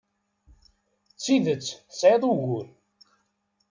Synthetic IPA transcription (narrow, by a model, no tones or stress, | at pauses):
t͡sːiðət͡sːsʕeðˤuʝul